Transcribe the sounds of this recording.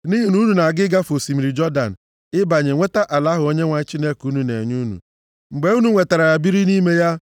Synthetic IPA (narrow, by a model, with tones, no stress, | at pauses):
ni˦ɦi˨nu˦nu˨na˨ɡɪ˦ɡa˦fo˨si˨mi˨ɾi˨d͡ʒɔ˦da̰˨n̩˨ | ɪ˦ba˨ɲe˨ŋʷe˦ta˦ʔa˨la˦ɦʊ˨o˦ɲe˦ŋʷa˨ɲ˦t͡ʃi˦ne˦ku˦nu˨nḛ˨ɲu˦nṵ˨ | ŋ͡m̩˨ɡ͡be˨u˦nu˨ŋʷe˨ta˨ɾa˨ja˨bi˦ɾi˦ni˦me˦ja˦